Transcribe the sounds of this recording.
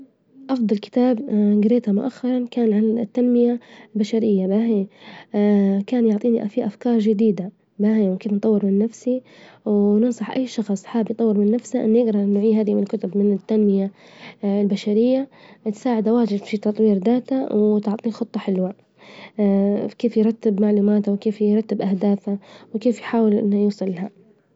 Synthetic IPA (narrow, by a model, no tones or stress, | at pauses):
ʔɑfd̪ˤɑlkɪ̥t̪aːbɡɪɾeːt̪amʊʔaxːɑɾˤɑnkaːnʕalt̪ːanmɪjalbaʃaɾɪjːabaɦe | kaːnjʊʕt̪ˤiːniʔafiʔafkɑːɾˤʒɪd̪iːd̪a | baɦeːwɪkeːfnt̪ˤɑwːɪɾmɪnːafsiwnɨnsˤɑħʔa̰jːʃɑxsˤħaːbnt̪ˤɑwːɪɾmɪnːafsaʔɪ̰nːjɪɡɾɑnʊʕiːɦaːðimɪnɪlkʊt̪ʊbmɪnɪt̪ːanmɪja | lbaʃaɾɪjːat̪saːʕɪd̪awaːd͡ʒɪd̪fit̪ɑt̪ˤwiːɾd̪aːt̪awt̪ʊʕt̪ˤiːnxʊt̪ˤːɑħɪlwa | keːfjɾˤɑt̪ːɪbmaʕluːmaːt̪awkeːfjɾɑt̪ːɪbʔahd̪aːfawɪkeːfjħaːwɪljuːsˤɨlːaha